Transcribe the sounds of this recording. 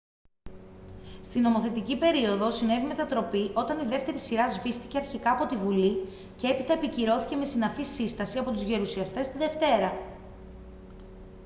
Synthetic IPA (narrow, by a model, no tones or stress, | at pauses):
st̪ino̞mo̞θet̪icipe̞ɾio̞ðo̞sine̞vime̞t̪ɐt̪ɾo̞piʔo̞t̪ɐniðe̞ft̪e̞ɾisiɾɐzvist̪i̥ce̞ɐɾçikɐːpo̞t̪ivuli | ce̞epit̪ɐepiciɾo̞θice̞me̞sinɐfisist̪ɐsiɐpo̞t̪uzʝe̞ɾusiɐst̪e̞st̪iðe̞ft̪e̞ɾɐ